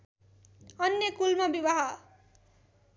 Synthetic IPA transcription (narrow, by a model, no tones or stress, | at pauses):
ʌnjʌkulmabibaɦʌ